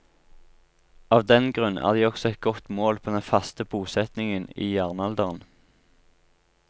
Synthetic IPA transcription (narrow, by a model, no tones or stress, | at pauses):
ɑːʋd̪ɛnɡʁʉnʔæ̰ːʁd̪iːɔksɔɛt̪̚ɡɔt̪moːlpʰoːd̪ɛnfɑst̪əbuːsɛt̪nɪŋənḭːjæːʁnɑld̪əʁən